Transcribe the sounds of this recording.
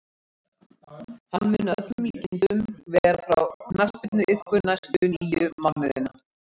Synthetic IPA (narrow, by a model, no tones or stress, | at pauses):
hanːmɪnːœt̪ʏmliːt̪ɪnt̪ʏmvɛɣɾafɾa̰wkʰnar̥spɪt̪nʏʔɪθkʏnːasʏʏnːjʏmanɪðɪ̰nːa̰